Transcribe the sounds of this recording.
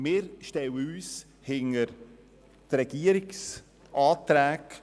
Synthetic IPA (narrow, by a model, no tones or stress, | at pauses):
mɪːɾʃtɛwəyːs | hɪŋəɾ | trɛɡ̥iəɾɪks | ʔɑːt̪ɾæːk